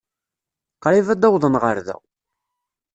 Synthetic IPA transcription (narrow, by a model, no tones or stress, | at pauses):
qɾˤivæd̪æwðˤənʁəɾðæ̰w